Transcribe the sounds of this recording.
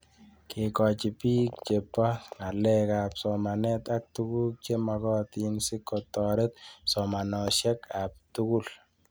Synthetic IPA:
kɪ˨kɔ˨t͡ʃi˨pi˦k̚t͡ʃe˨pːa˦ŋa˨lːɛ˦kapsɔma˨nɛ˦t̪a˦k̚t̪u˦ɡu˦k̚t͡ʃe˦ma˨ɡɔ˦t̪i˨nsi˦kːɔt̪ːɔɾɛ˦t̪̚sɔma˨nɔʃɛ˦kap̚t̪u˦ku˦l

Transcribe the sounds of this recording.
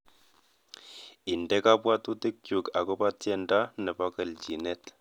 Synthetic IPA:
ɪ˨ndɛ˦ka˦pwa˦tu˦te˦k̚t͡ʃu˨ka˨kɔ˦pa˦tjɛ˦nda˦nɛ˨pa˦kə˨lt͡ʃi˨nɛ˦t

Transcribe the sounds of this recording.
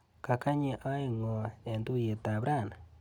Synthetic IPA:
ka˨ka˦ɲi˨ʔa˦i˨ŋɔ˨e˨ndu˦je˨ta˨bɾa˦˨na

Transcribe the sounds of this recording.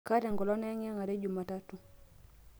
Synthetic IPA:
ka˦dɛ˨ŋɡɔ˨lɔ˦nɛ˦ŋa˦ŋa˨ɾe˦d͡ʒu˨ma˨ta˦tu˦

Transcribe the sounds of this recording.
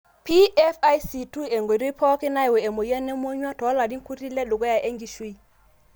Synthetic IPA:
pʰi˦ɛ˦fa˦jsi˨tʰu˦ɛ˨ŋɡo˨ɾwi˦pʰɔ˦kɛ˦na˦jwɛ˨ɛ˨mo˨jɛ˦nɛ˦mo˦ɲwa˦tʰɔ˨˦la˨di˦kʰu˦ri˦lɛ˦ɗɔ˨k̬ɔ˦ja˨ʔɛ˦ŋɡi˨ʃwe˦˨

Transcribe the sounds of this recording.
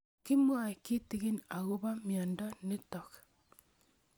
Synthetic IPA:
kɪ˦mwa˨kɪ˦tɪ˦ɣe˦na˨ɣo˦βa˦mjɔ˨ndɔ˦ne˦tɔ˨k

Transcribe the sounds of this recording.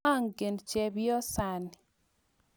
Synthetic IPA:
a˦˨ŋɡe˨nt͡ʃɛ˨bjɔ˦sa˨nɪ

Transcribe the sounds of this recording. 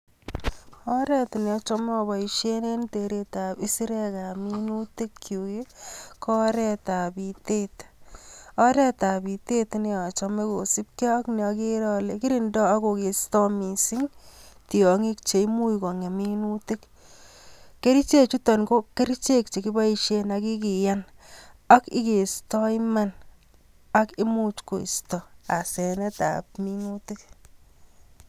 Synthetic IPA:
ɔ˦ɾɛ˦tni˨ɔ˨˧t͡ʃɔ˧m˦ɔ˨βɔ˨iʃe˦ne˦nte˨ɾe˨ta˨pi˦si˦ɾɛ˦ka˨mi˦nu˦te˦kkju˨ke˦kɔ˦ɾɛ˦ta˨bi˨te˦t | ɔ˦ɾɛ˦ta˨bi˨te˦t̪ne˨˦ɔ˨t͡ʃɔ˦me˦ko˨si˦p̚kɔ˦kne˨ɔ˧ke˦ɾɔ˦le˨ki˦ɾi˦ndɔ˦a˦ko˨ke˨stɔ˦mi˨si˦ŋti˨ɔ˨ŋi˦k̚t͡ʃe˨i˦mu˦jkɔ˨ŋe˨mi˦nu˦ti˦k | ke˦ɾi˦t͡ʃe˦t͡ʃu˦tɔ˨nko˦ke˦ɾi˦t͡ʃe˦k̚t͡ʃe˨ki˦ba˦i˦ʃe˦na˨ki˦k̬i˨ja˦na˦kɪ˦ke˨stɔ˦jma˦n | a˦ki˦mu˦t͡ʃko̰˨ḭ˨stɔ˨a˨sɛ˨nɛ˦ta̰˨p̚mi˦nu˦ti˦k

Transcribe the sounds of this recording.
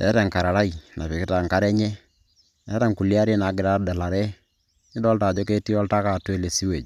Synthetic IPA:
ɛ̰˦ta˨ŋka˨ɾa˨ɾa˦i˨na˨pi˨kɪ˦ta˨ŋka˦ɾɛ˦ɲɛ˦ | ɛ˦ta˨ŋku˨lja˦ɾi˦na˨˦ɡɪ˨ɾa˦dɛ˨la˨ɾɛ˦ | nɪ˦dɔ˦lta˨d͡ʒɔ˦ke˦ti˦ɔ˦lta˦ka˨twe˦le˨si˦we˨d͡ʒ

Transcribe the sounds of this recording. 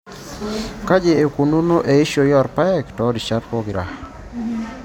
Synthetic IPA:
ka˦d͡ʒe˨e˨ku˨no˦no˦ʔe˨i˦ʃo˨jɔ˦˨ɾpa˦ɛ˦˨ktɔ˨˦di˨t͡ʃa˦tpɔ˦ɡɾa̰˨

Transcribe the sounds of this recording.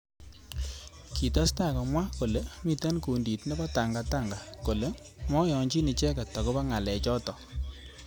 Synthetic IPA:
ki˨ta˦sta˦˨kɔ˨mwa˦ko˨le˨mi˦tɛ˦nku˨ndi˨tnɛ˦ba˦ta˨ŋɡa˨ta˦˨ŋɡa˨ko˨le˨˦ | mɔ˦jɔ˨ɲt͡ʃi˦ni˧t͡ʃɛ˦ka˨tɔ˨ko˦pa˦ŋa˨lɛ˨t͡ʃɔ˦tɔ˨

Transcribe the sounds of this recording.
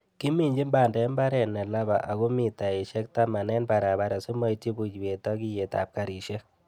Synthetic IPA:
ki˦mi˨ɲd͡ʒi˦mba˨ndɛ˨˦mba˦ɾɛ˨nɛ˨la˦βa˨ʔa˨ɣu˦mi˨ta˨i˨ʃɛ˦k̚ta˦ma˨nɛ˦nba˨ɾa˨ba˦ɾa˨su˦ma˦i˦ti˦bu˨t͡ʃwe˨tɔ˦ki˦je˨ta̰˨p̚ka˨ɾi˨ʃe˦

